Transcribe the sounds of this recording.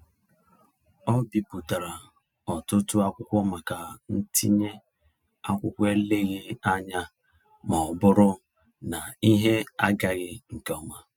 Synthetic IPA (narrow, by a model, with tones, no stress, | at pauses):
ɔ˦bi˦pu˨ta˨ɾa˨ | ɔ˨tʊ˦tu˦a˦kʷʊ˦kʷɔ˦ma˨ka˨n̩˦ti˦ɲe˦ | a˦kʷʊ˦kʷe˦le˦ɣi˦a˦ɲa˦ | mɔ˨ɔ˨bʊ˦ɾʊ˦ | na˨i˦ɦe˦a˦ɡa˦ɣɪ˦ŋ̩˨kɔ˨ma˨